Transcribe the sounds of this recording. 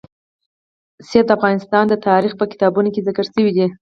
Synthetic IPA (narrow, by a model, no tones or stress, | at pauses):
sijad̪əafɣɑnɪst̪ɑnd̪ət̪ɑɾixpəkɪ̥t̪ɑbunokezɪkəɾsəwid̪i